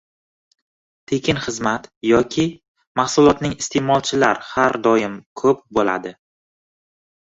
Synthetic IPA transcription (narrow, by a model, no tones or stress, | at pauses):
t̪ʰekʲɪnχɨzmat̪jɒkʲʰɪ | mahsʊlˠɒt̪nɪŋɪst̪ʰe̞mɒlˠt͡ʃʰɪlaɾhaɾd̪ɒjɪmkʰɵp̚bola̰d̪ɪ